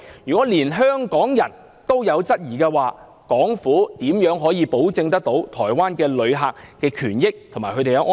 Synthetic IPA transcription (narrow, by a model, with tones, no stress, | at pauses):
jyː˨kʷɔː˨˥liː˨˩nɦœː˥ŋkɔː˨˥ŋjɐ˨˩n | t̪o˥wjɐ˨˧wt͡sɐ˥t̚jiː˨˩kɛː˧waː˨ | kɔː˨˥ŋfuː˨˥t̪iː˨˥mjœː˨˥ŋɦɔː˨˥jiː˨˧po˨˥wt͡sɪ˧ŋt̪̬ɐ˥k̚t̪o˨˥wt̪ʰɔː˨˩jwaː˥nkɛː˧lɵ˨˧ɥɦaː˨˧k̚kːɛː˧kʰyː˨˩njɪ˥k̚t̪ʰo˨˩ŋmaː˨˩kʰɵ˨˧t̪e˨jɐ˧ʔɔ˥